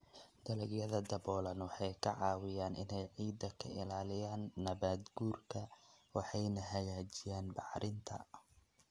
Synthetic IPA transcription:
d̪ɐlɐɡjɐðɐd̪ɐβɔːlɐnwɑħɑjkʰɐʕɑːwɪjaːnʔɪ̰nɛjʕiːd̪ːɐkʰɐɪlaːlɪjaːnːɐβaːd̪ɡuːrkʰɐwɑħɑjnɐɦɐjaːt͡ʃɪjaːnbɑħɾɪnt̪ʰɐ̰

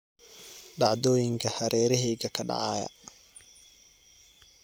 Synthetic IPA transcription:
ɖɑʕd̪ɔːjɪŋkʰɐhɐɾɛːɾɪɦɛjɣɐkʰɐɖɑ̰ʕɑːjɐ̰

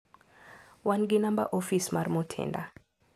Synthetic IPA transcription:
wanɡɪnamba̰ʔofismarmotʰɛ̰nda

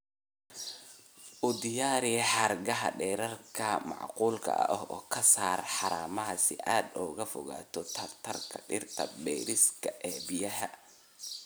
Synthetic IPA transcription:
ʔʊd̪ɪjaːɾɪjɛħɑrɡɐɦɐ̰ɖɛːɾɐrkʰɐmɑ̰ʕquːlkʰɐ̰ʔɐ̰ʔɔɦɔːkʰɐsaːrħɑɾaːmɐɦɐsɪ̰ʔaːd̪ɔːɣɐfɔ̰ɣa̰ːt̪ʰɔt̪ʰɐrt̪ʰɐrkʰɐɖɪrt̪ʰɐ̰bɛ̰ːɾɪskʰɐʔɛːbɪjɐɦɐ

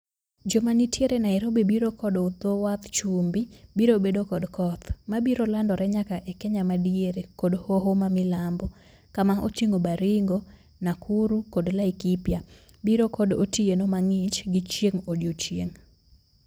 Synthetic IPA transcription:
d͡ʒomanitʰjeɾenaɛɾobebiɾokɔdout̪owat̪t͡ʃumbibiɾobedokɔdkɔt̪mabiɾolandɔɾɛɲakaʔɛkɛɲamadieɾekodhoɦomamɪlambɔ | kamaot͡ʃiŋɡobaɾiŋɡo | nakʰuɾukodlaikipja | biɾokɔdo̰tienomaŋɪt͡ʃɡɪt͡ʃjeŋodjot͡ʃjeŋ

